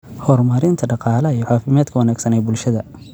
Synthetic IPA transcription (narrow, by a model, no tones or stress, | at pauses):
hɔːrmɐɾɪnt̪ʰɐɖɑqɑːlɐijɔʕɑːfɪmɛːd̪kʰɐwɑnaːɡsɐnɛjbʊlʃɐðɐ